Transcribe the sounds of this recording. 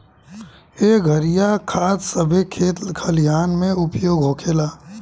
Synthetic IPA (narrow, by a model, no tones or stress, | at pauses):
eːɡʱəɾijakʰaːd̪səbʱekʰeːt̪lkʰəlijaːnmẽʊpjoːɡɦoːkʰeːlaː